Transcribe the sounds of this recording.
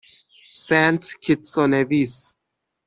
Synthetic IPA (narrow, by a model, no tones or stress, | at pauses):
sæ̃ntkʰitsɔnevis